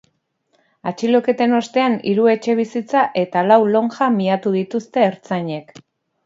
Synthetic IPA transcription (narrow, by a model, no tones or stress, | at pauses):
at͡ʃilo̞ke̞t̪e̞no̞st̪e̞anḭɾue̞t͡ʃe̞β̞isit͡saʔe̞t̪alawlo̞ŋʝamiat̪uðit̪ust̪e̞ːɾt͡saɲe̞k